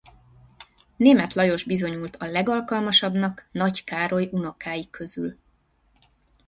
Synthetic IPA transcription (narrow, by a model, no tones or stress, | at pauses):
neːmɛt̪lɒjo̞ʒbizo̞ɲult̪ɒlɛɡɒlkɒlmɒʃɒbnɒknɒckaːɾo̞juno̞kaːjikʰːø̞zyl